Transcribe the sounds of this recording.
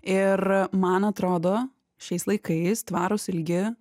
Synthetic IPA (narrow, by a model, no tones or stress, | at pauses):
ɪɾmɐnɐt̪ɾoːd̪oː | ʃʲɛɪslˠɐɪkɐɪst̪ʋɑːɾʊsɪlʲɡʲɪ